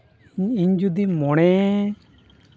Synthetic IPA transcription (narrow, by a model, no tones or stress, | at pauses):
iɲiɲd͡ʒud̪imɔɽ̃ɛ